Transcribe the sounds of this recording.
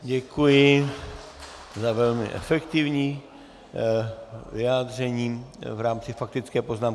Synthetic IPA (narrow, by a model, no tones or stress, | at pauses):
ɟɛkujɪ | zavɛlmɪ̰ʔɛ̰fɛkt̪ɪvɲiː | vɪaːd̪r̝ɛɲiːvɾaːmt͡sɪfak̚t̪ɪt͡skɛːpoznaːm